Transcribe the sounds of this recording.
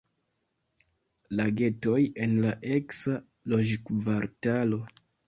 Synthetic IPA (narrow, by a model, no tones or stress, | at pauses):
laɡe̞to̞je̞nlaʔe̞ksa | lo̞d͡ʒkvaɾtalo̞